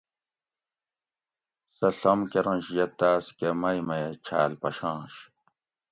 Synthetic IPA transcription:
sɐɬɐmkeɾɐ̃nɕjɐt̪aːskemɐjmɐjet͡ɕʰa̰ːlpɐɕãːɕ

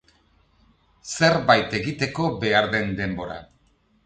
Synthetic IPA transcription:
se̞ɾβajt̪e̞ɣit̪e̞ko̞be̞aɾðe̞nd̪e̞mbo̞ɾa̰

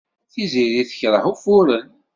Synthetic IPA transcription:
θiziɾiθə̥çɾˤəhufʊɾən

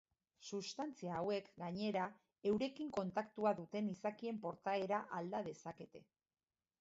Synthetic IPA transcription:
sust̪ant͡siaːwe̞kɡaɲe̞ɾa | e̞wɾe̞kiŋko̞nt̪akt̪uaðut̪e̞nisakie̞mpo̞ɾt̪ae̞ɾaʔald̪að̞e̞sake̞t̪e̞

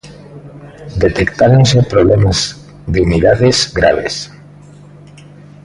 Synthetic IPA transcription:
d̪et̪ekt̪aɾonsepɾoβlemaz | ðeuniðaðesɡɾa̰β̞ḛs

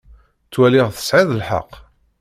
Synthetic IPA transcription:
t͡sːwælɪʁθə̥sʕiðˤəlħə̰qː

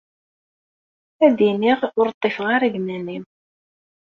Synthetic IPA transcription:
æd̪iniʁʊɾt̪ˤːefʁaɾæɡnænim

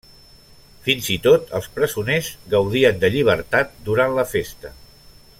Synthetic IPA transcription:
finzit̪ot̪əlˠspɾəzunezɡəwðiənd̪əʎiβ̞əɾt̪at̪̚d̪uɾanləfest̪ə

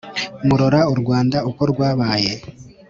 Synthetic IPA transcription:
muɾoɾauɾɡwaːndauko̞ɾɡwaːβaːje̞

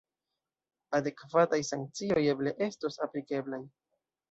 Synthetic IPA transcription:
ade̞kvatajsaŋk̚t͡siojeble̞ʔe̞stosaplike̞blaj

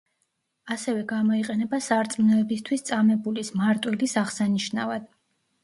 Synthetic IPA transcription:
asɛvɛɡamɔiqʼɛnɛbasaɾt̪sʼmnɔɛbist̪ʰwist̪sʼamɛbulismaɾt̪ʼwilisaʁsaniʃna̰vad̪̥

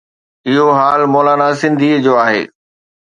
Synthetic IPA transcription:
ɪɦoɦaːlmɔːlaːnasɪ̃nd̪ʱiːd͡ʑoːaːɦḛː

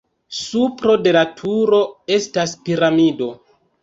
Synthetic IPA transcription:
supɾo̞de̞latʰuɾo̞e̞staspiɾamido̞

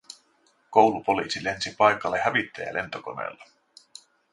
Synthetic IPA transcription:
ko̞wlupo̞liːsile̞nsipɑjkɑlːehæʋit̪ːæjæ̰lʔe̞nt̪oko̞nḛːlːɑ

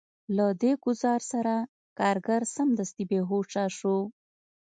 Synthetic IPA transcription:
lad̪eɡʊzɑɾsaɾa | kɑɾɡaɾsamd̪ast̪ibeɦoʈ͡ʂaʃo

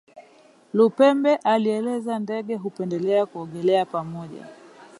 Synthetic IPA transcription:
lupɛmbɛʔaliɛlɛzandɛɠɛɦupɛndɛlɛakuɔɠɛlɛapamɔʄa̰

